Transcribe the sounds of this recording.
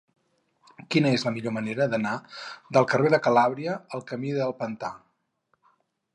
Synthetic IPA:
kinəezləmiʎoməneɾəðənad̪əlˠkəreðəkəlaβɾiəəlˠkəmiðəlˠpənt̪a̰

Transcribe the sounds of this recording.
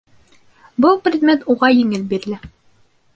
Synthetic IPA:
bɤlˠprʲɪd̪mʲet̪uʁɑjĭŋɘlbiɾ̆lɘ

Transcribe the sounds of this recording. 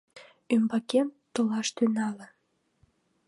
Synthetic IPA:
ymbɑkemt̪olɑʃt̪ynɑlə̆

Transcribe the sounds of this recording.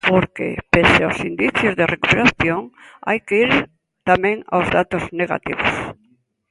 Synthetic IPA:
poɾkḛpeseosind̪iθjozðerekupeɾaθjoŋ | a̰jkeiɾ | t̪amẽŋa̰wzðat̪ozneɣa̰t̪ḭβo̰s

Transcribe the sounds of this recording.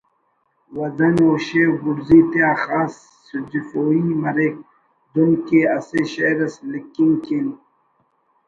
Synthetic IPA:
wɐd̪ɐnoːɕeɡuɾziːt̪eaːxaːsː | ud͡ʑifoːimɐɾek̚ | d̪unkeɐseɕeɾɐslikːiŋkin

